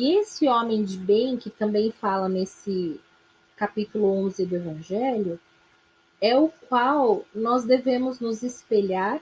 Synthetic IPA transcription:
iesɪõmẽj̃d͡ʒɪbẽj̃kɪt̪ɐ̃mbẽj̃falɐnesɪ | kapit̪ulʊõzɪd̪ʊevɐ̃ʒɛlʊ | ɛʊkwawnɔzd̪evẽmʊznʊzɪspeʎaɾ

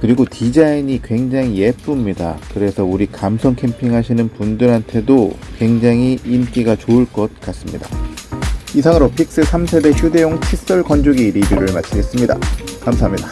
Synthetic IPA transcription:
kɯɾiɡotid͡ʑaiɲikwe̞ŋd͡ʑaŋije̞p͈umɲida̰kɯɾe̞sʰʌuɾikamsʰʌŋkʰe̞mpʰiŋɦaɕʰinɯnpundɯɾɦantʰe̞dokwe̞ŋd͡ʑaŋiːmk͈iɡat͡ɕoɯɭk͈ʌt̚k͈as͈ɯmɲḭda̰ | isʰaŋɯɾopʰik̚s͈ɯsʰamsʰe̞de̞çjude̞joŋt͡ɕʰis͈ʌɭkʌnd͡ʑuɡiɾibjuɾɯɭmat͡ɕʰiɡe̞s͈ɯmɲida̰kamsʰaɦamɲid̥a

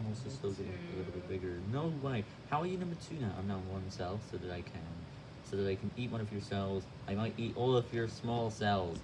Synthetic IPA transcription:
moʊsɨ̥sloʊzɪ̃əlɪɾl̩ˠbɪt̚b̥ɪɡə˞noʊwaɪ | haʊə˞jɨnʌ̃mbə˞tʰʉnəʔã̰ɪ̃mnəʊ̃wʌ̃nsɛlˠsoʊðɨɾaɪkʰɨ̃n | soʊðəɾaɪkʰɨ̃nit̚wʌ̃ñʌvjə˞sɛlˠz | ʔaɪmaɪɾʔiɾʔɔlˠʌvjə˞smɔlˠsɛlˠz̥

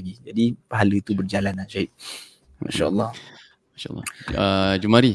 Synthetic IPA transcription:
ɡid͡ʒadipaɦaləit̪ubərd͡ʒalanaʃaiʔ̚ | ma̰ʃa̰ʔə̰lˤːɑh | maʃaʔlːɑ̰əd͡ʒumaɾi

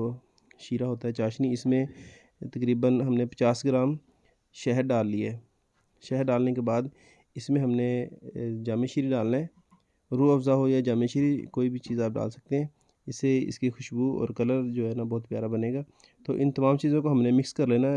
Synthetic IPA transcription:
o | ʃiːɾaɦoːt̪aɦɛt͡ʃaːʃniɪsmẽ | t̪ɐkɾiːbənɦɐmnepɐ̥t͡ʃaːsɡɪɾaːm | ʃɛɦəɾɖaːlːiɛː | ʃɛɦɾɖaːlnekebaːd̪ | ɪsmẽɦɐmne | d͡ʒaːmẽʃiɾiɖaːlnaɦɛ | ɾuːɐfzaɦoːiɦɛd͡ʒaːmẽʃiɾikoːibʱit͡ʃiːzaːp̚ɖa̰ːlsɐ̥k̚t̪eɦɛ̃ː | ɪsːeɪ̰skixʊʃbuɔ̰ːɾkɐləɾd͡ʒoːɦɛːnabɔːʊt̪̚pjaːɾabɐneːɡaː | t̪oːʔɪ̃nt̪ɐmaːmt͡ʃiːzõkoɦɐmnemɪkskɐɾleːna

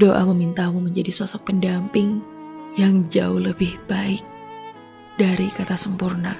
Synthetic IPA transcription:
doʔaməmint̪amuməɲd͡ʒadisɔsɔk̚pəndampɪŋjaŋd͡ʒaʊhləbɪhb̥aɪk̚ | daɾikat̪asəmpurna

